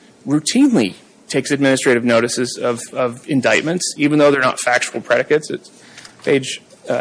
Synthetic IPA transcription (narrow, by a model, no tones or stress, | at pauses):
ɹʉtʰĩnlḭ | tʰeɪksɨd̚mɪ̃nɨstɹ̥eɪɾɨvnoʊɾɨsɨzʌvʌvɨ̃ndaɪt̚mɨ̃ntsivn̩ðoʊðə˞nə̰tfæk̚t͡ʃul̩ˠpʰɹ̥ɛɾɨkɨtsɨts | pʰeɪd͡ʒ